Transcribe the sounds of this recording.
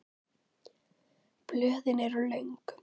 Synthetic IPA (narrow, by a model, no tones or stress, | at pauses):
plœhðɪnɛɾʏlœɥŋk